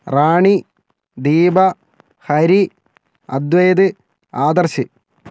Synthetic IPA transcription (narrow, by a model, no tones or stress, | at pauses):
raːɳi | d̪iːbɐ | hɐɾi | ɐ̰d̪ʋeːd̪ɨ | aːd̪ɐrɕɨ